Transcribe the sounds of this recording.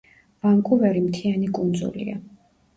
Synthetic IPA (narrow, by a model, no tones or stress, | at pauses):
vamkʼuvɛɾimt̪ʰianikʼund̪zṵlḭa̰